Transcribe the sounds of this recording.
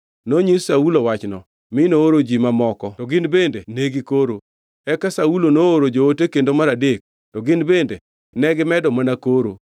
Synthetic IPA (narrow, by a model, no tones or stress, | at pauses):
noɲisaulowat͡ʃnɔ | mɪnooɾod͡ʒimamɔkɔtɔɡɪnbendeneɡikoɾo | ɛkasaulonooɾod͡ʒootekendomaɾadek̚ | tɔɡɪnbendḛ | nɛɡɪmɛdɔmanakoɾo̰